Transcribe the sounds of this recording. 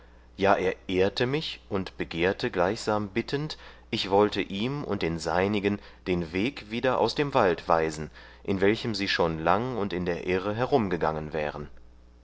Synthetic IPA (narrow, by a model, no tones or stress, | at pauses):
jaːʔeːɐʔeːɐtəmɪçʔʊntb̥əɡeːɐtəɡlaɪçz̥aːmbɪtʰənt | ʔɪçv̥ɔltəʔiːmʊ̰nt̚d̥eːnzaɪnɪɡən | d̥eːnveːkv̥iːdɐʔa̰ʊsd̥eːmvaltv̥aɪzn̩ | ʔɪnvɛlçəmziːʃoːnlaŋʊntɪndeːɐʔɛːʁəɦɛɐʁʊmɡəɡaŋənvɛ̰ːʁən